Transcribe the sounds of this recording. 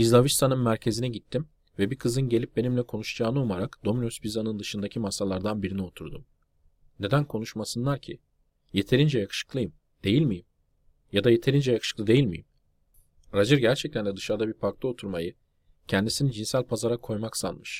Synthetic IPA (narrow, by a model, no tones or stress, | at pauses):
izlˠavist̪ʰanɯnmæɾcʰe̞zinɛɟit̪ʰːim | vɛbikʰɯzɯnɟe̞lʲip̚be̞nimlʲɛkʰo̞nuʃd͡ʒaːnɯumaɾakd̪̥o̞minosbizanɯnd̪ɯʃɯnd̪acʰimasalˠaɾd̪anbiɾinio̞t̪ʰuɾd̪um | ne̞d̪ænkʰo̞nuʃmasɯnlˠaɾcʰi | je̞t̪ʰe̞ɾind͡ʒɛjakʰɯ̥ʃɯ̥klˠɯjɯm | d̪̥e̞jilʲmijim | jad̪aje̞t̪ʰe̞ɾind͡ʒɛjakʰɯ̥ʃɯ̥klˠɯd̪e̞jilʲmijḭm | ɾad͡ʒɯɾɟæɾt͡ʃʰɛc̚t̪ʰænd̪ʲɛd̪ɯʃaɾd̪abiɾpʰaɾklˠɯo̞t̪ʰuɾmajɯ | cʰɛnd̪isinid͡ʒinsælʲpʰazaɾakʰo̞jmaksa̰nmɯʃ